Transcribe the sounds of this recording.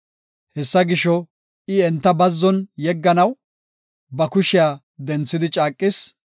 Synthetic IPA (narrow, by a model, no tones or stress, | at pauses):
hɛsːɐɡɪʃɔ | ʔɪɛnt̪ːɐbɐzːɔnjɛɡːɐnɐw | bɐkʊʃɪjaː | d̪ɛnt͡sːɪd̪ɪt͡ʃʼaːkʼːɪs